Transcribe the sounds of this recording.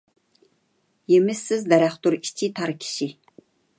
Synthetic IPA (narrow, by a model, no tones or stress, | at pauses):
jemɪsːɪzd̪ɛɾæχt̪uɾi̥t͡ʃʰit̪ʰɑɾkʲʰi̥ʃi